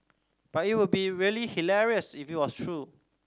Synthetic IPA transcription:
b̥atit̚wʊd̚biɹiəlihilɛɹiəsifit̚wɔstʰɹu

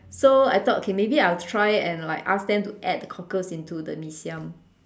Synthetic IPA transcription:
soa̰jt̪ɔt̚ʔokʰemebiaɪltʰɹaɪɛ̃nlaɪkas̚dɛ̃mtuʔɛd̚dəkʰɔkəsĩntudə̰misiə̃m

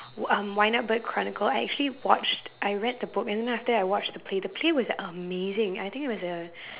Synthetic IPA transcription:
ʌ̃mwaɪnʌt̚b̥ʌt̚kʰɹ̥ɑnɨkəl̩ˠaɪʔæk̚t͡ʃʉl̩ˠiwɑt͡ʃtʔaɪɹɛd̪̚ðəbʊkɨ̃nðɛ̃næftə˞aɪwɑt͡ʃðəpʰl̥eɪðəpʰl̥eɪwʌzəmeɪzɪ̃ŋa̰ɪθɪ̃ŋkɪt̚wʌzə

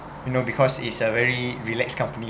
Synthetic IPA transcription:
junobikʰɔsitsəvɛɹiɹilɛkskãmpəni

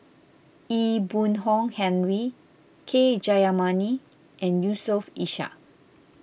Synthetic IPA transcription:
ibũnɦɔ̃ŋhɛ̃nɹi | kʰed͡ʒajamãni | ʔɛ̃njusɔfiʃa̰

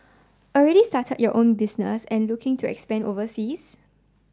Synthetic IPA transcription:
ʔɔlɹɛɾistatʰət̚jɔʔõnbisnə̰sɛ̃nlukɪ̃ŋtʰuɛ̰kspɛ̃novəsis

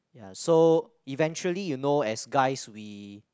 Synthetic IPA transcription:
jaso | ivɛ̃nt͡ʃuəlijunoɛsɡaɪswi

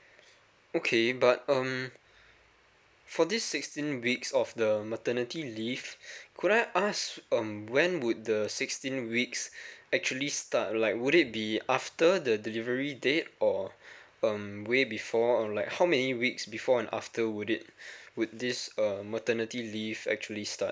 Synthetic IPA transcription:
okʰebat̚ʌ̃m | fɔdisːɪkstĩnwiksɔfdəmətənitilifkʰuɾaɪʔasʌ̃mwɛ̃nwʊd̚dəsɪkstĩnwiksɛk̚t͡ʃuəlistat̚laɪk̚wuɾɪt̚biaftədədilivəɹidet̚ɔ | ʌ̃mwebifɔlaɪkhawmɛniwiksbifɔɛ̃na̰ftəwʊɾɪt̚wud̚disʌmətənətilivɛ̰k̚t͡ʃuəlistat̚

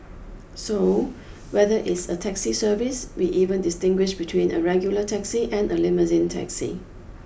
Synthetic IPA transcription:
so | wɛðəʔɪtsətʰɛksisəvɪswiʔivə̃ndɪstɪ̃ŋɡwɪʃbitʰwĩnə̰ɹɛɡjulətʰɛksiʔɛ̃nəlɪməzĩntʰɛ̰ksḭ

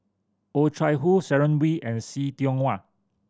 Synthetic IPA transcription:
otʰɹajɦusɛɹə̃nwiɛ̃nsitiɔ̃ŋwa

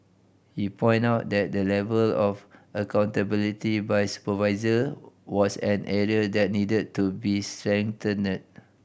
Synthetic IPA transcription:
hipʰɔ̃ɪj̃ntaʊt̚dɛt̚dəlɛvəlɔfʔəkãw̃ntəbilitibajsu̥pəvaɪzəwɔsɛ̃nʔɛɹiədɛt̚nidəd̚tːubistɹɛ̃ŋtənət̚

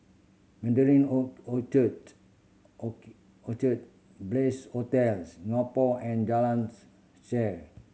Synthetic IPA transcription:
mɛ̃ndəɾĩnotət | otət̪̚ | bleshot̪ɛlsŋɔpɔɛ̃nd͡ʒalãns | sɛɹ

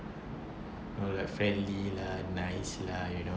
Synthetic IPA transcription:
olajkfɹɛ̃nlilanajslajuno

